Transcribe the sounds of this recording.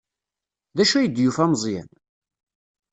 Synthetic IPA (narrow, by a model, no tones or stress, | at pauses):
ðæʃuæjəd̪jufæmzˤjæ̰n